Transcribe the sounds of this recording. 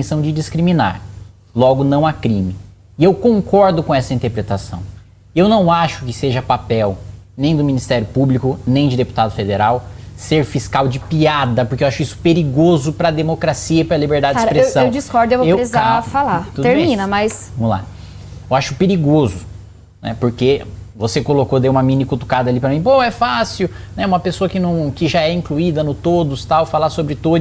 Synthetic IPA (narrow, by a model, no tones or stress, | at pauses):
sɐ̃w̃d͡ʒɪd͡ʒɪskɾimĩna̰ɾ | lɔɡʊnɐ̃w̃akɾĩmɪ | ɪewkõkɔɾd̪ʊkõɛsɐĩt̪eɾpɾet̪asɐ̰̃w̃ | ewnɐ̃w̃aʃʊkɪseʒɐpapɛwnẽj̃d̪ʊmĩnist̪ɛɾjʊpublikʊnẽj̃d͡ʒɪd̪epu̥t̪ad̪ʊfed̪eɾawseɾfiskawd͡ʒɪpiad̪ɐpoʊɾkewaʃʊisʊ̥peɾiɡozʊpɾɐd̪emokɾasiɐipɾɐlibeɾd̪ad͡ʒkad͡ʒipɾeesɐ̃ewd͡ʒiskɔɾd̪ʊewvoewesizafalat̪ud̪eʊɾmẽjĩnɐmɐjsvɐ̃mʊla̰ | ewaʃʊ̥peɾiɡozʊ | nɛ̰poɾkevosekolokod̪ewũmɐmĩnikut̪u̥kad̪ɐlipɾɐmĩpoɛfasiwnɛũmɐpesoɐkɪnɐ̃w̃kɪʒaɛĩŋkluid̪ɐnʊt̪od̪ʊst̪awfalasobɾɪt̪od